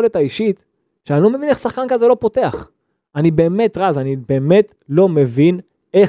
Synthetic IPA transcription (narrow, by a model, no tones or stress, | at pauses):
oletaiʃit̪ | ʃeanilo̞me̞vineχsaχkankazelo̞po̞te̞aχ | anibe̞ːme̞tʁazanibe̞ːmet | lo̞me̞vin | e